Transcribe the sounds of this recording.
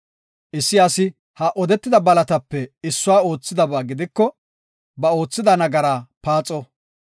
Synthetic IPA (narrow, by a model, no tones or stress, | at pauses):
ʔɪsːɪɐsɪ | hɐʔɔd̪ɛt̪ːɪd̪ɐbɐlɐt̪ɐpːɛɪsːʊwaːo̞ːt͡sːɪd̪ɐbaːɡɪd̪ɪkːɔ | bɐo̞ːt͡sːɪd̪ɐnɐɡɐɾaːpaːt͡sʼɔ